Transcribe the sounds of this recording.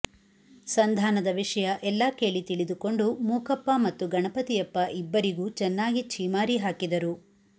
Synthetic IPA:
sɐnd̪ʱaːnɐd̪ɐʋiʂɐjɐʔɛlːaːkʰɛjɐɭit̪iɭid̪uko̞ɳɖumuːkɐpːɐmɐt̪ːuɡɐɳɐpɐt̪ijɐpːɐʔibːɐɾiɡuːt͡ʃɛnːaːɡit͡ʃʰiːmaːɾiɦaːkid̪ɐɾu

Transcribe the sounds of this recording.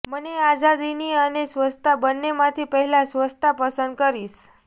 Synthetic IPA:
mənead͡zad̪iniːənesʋəst̪ʰabənːemat̪ʰipəɦilasʋəst̪ʰapəsənd̪̚kəɾiːs

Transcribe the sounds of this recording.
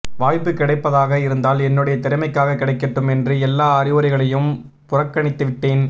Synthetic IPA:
ʋaːjpːɯkːɪɽɐɪpːɐðaːɣɐɪɾɯnd̪aːlɛnːɯɽɐjɐt̪ɪɾɪmɐɪkːaːɣɐkːɪɽɐɪkːɪʈːɯmɛndrɯɛlːaːɐɾɪʋɐɾɪɣɐɭɐjɯm | pʊrɐkːɐɳɪt̪ːɯʋɪʈːeːn

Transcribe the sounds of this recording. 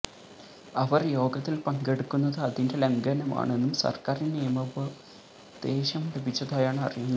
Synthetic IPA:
ɐʋɐrjo̞ːɡɐt̪ːilpɐŋɡe̞ɽukːunːɐðɨɐðinde̞lɐŋɡɐnɐma̰ːɳe̞nːumsɐ̰rkaːrinnijɐmɐbɐ | d̪̥e̞ːɕɐmlebit͡ɕːɐðaːjaːɳɨɐ̰rijunːɐðɨ

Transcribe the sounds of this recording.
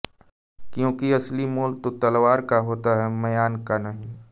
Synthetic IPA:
kjõːkiɐslimoːlt̪ot̪ɐlwaːɾkaɦoːt̪aɦɛmɐjaːnkanɐɦĩ

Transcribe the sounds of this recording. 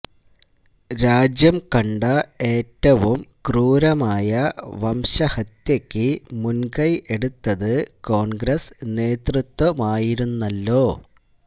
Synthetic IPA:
ɾaːd͡ʑjɐmkɐɳɖɐe̞ːtːɐʋumkruːɾɐmaːjɐʋɐmɕɐhɐt̪jɐkʲːɨmunkɐje̞ɽut̪ːɐðɨko̞ːɳɡɾɐsne̞ːt̪rut̪wɐmaːjiɾunːɐlːo̞ː

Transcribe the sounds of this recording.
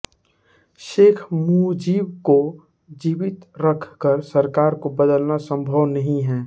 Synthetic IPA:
ʃeːkʰmuːd͡ʒiːbko | d͡ʒiːʋɪt̪ɾəkʰkəɾsəɾkaːɾkobəd̪əlnasə̃mbʱəʋnɐɦĩɦɛ̃ː

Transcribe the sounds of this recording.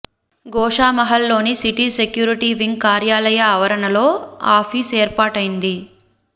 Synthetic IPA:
ɡɔːʂaːmɐɦɐlːo̞ːnisiʈiːsekjuːɾiʈiʋiŋɡkaːɾjaːlɐjaːʋɐɾɐnɐlo̞ːaːpʰiːseːɾpaːʈɐjind̪i

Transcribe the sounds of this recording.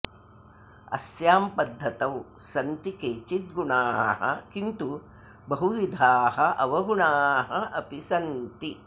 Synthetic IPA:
ɐ̰sjaːmpɐd̪ʱːɐt̪ɐwsɐnt̪ikeːt͡ʃit̪̚ɡuɳaːɦɐ̰kint̪u | bɐɦuʋid̪ʱaːɦɐʔɐʋɐɡuɳaːɦɐʔɐpisɐnt̪i

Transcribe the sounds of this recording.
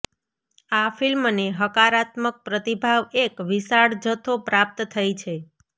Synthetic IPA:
afilmneɦəkaɾat̪mək̚pɾət̪ibʱaʋekʋisaɽd͡ʒət̪ʰopɾap̚t̪t̪ʰəjt͡ʃʰe

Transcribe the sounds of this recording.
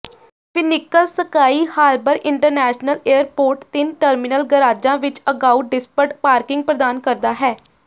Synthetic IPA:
pʰɪnɪkːəlsəkaːiːhaːlbəɾʔɪɳʈəɾnɛːʃnəleːəɾpoːɾʈt̪ɪnʈəɾmɪnəlɡəɾaːd͡ʒãːʋɪt͡ʃəɡaːuːɖɪspəʈpaːɾkɪŋɡ̚pɾəd̪aːnkəɾd̪aːɦɛː

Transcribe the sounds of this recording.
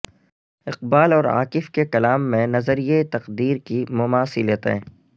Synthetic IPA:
ɪqbaːlɔːɾa̰ːkɪfkekɐlaːmːẽnɐzəɾijet̪ɐqd̪iːɾkimʊmaːsileːt̪ɦɛ̰̃ː

